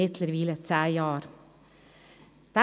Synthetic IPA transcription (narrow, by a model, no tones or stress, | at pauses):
ɪt̪ləɾʋiːlət͡s̪ʰæːjɑːɾ | d̪̥æ